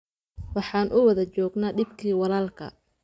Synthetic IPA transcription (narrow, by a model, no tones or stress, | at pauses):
wɑħɑːnʔʊwɐðɐt͡ʃɔːɡnaːɖɪbkʰiːwɑlaːlkʰɐ̰